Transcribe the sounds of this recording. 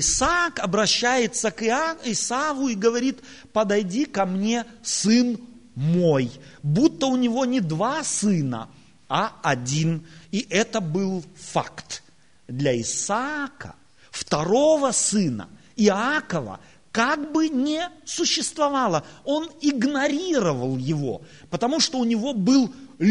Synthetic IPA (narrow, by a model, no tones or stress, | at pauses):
ɪsakɐbɾɐɕːæjɪt̪səkɪaɪsavʊiɡəvɐɾʲit̪pəd̪ɐjdʲikɐmnʲe̞sɨn | mo̞jbut̪ːəʊnʲɪvo̞nʲɪd̪vasɨnə̰ | ɐɐdʲiniʔɛt̪əbɨlˠfa̰kt̪ | d̪lʲɐɪsakə̰ | ft̪ɐɾo̞vəsɨnə̰ | ɪakəvə̰ | kaɡbɨnʲɪsʊɕːɪst̪vɐvalˠəo̞nɪɡnɐɾʲiɾəvəlˠjɪvo̞̰ | pət̪ɐmuʂt̪o̞ʊnʲɪvo̞bɨlˠlʲ